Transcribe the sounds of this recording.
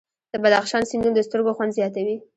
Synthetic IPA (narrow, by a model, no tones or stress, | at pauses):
d̪̥əbad̪axʃɑnsɪnd̪und̪əst̪əɾɡoxwand̪zjɑt̪awi